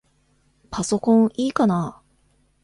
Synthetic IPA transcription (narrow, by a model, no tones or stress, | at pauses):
paso̞kõɰiːkana